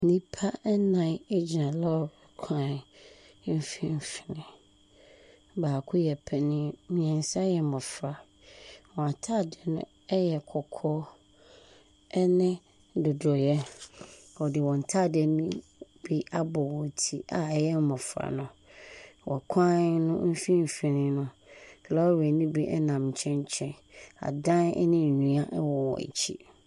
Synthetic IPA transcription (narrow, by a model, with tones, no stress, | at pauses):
nĩ˦pʰa˦nã˨ne˦d͡ʑi˨nã˨la˦ɔ˨ɛ˨kʷʰã˦˨n̩˨˦ | fĩ˦m˦fi̥˨nɪ̃˨ | baː˨kʰʊ˦jɛ˨pʰɛ˨nɪ̃˦˨mĩ˨ɛ̃˨n̩˨˦sa˦jɛ˨mɔ̃˨fɾa˨ | wɔ̃˨a˨tʰa˦˨dɪ˨ɛ˨nʊ̰̃˦ | ɛ˦jɛ˨kʰɔ˨kʰɔ˦ | ɛ˦nɪ̃˦ | dʊ˨dɔ˨jɛ˦ | ɔ˨dɪ˨wɔ̃˨n̩˨tʰa˦˨dɪ˨ɛ˨nĩ˦bi˦ʔa˦bɔ˨wɔ˨tʰi˦ʔa˨ɛ˨jɛ˦m˦mɔ̃˨fɾa̰˨nʊ̃˨ | wɔ̰˨kʷʰã˦nʊ̃˦m̩˦fĩ˦m̩˨fĩ˨nɪ̃˨nʊ̃˦ | kʰla˦ɔ˦wɛ˨nĩ˦bi˦ʔɛ˦nã˨m˨t͡ɕʰɛ̃˦ɲ˦t͡ɕʰɛ̃˦ | a̰˨dã˦nɛ̰˦nɪ̃˦˨ɲĩ˨a˦ʔɛ˦wɔ˨wɔ̰̃˨æ̰˨t͡ɕʰḭ˦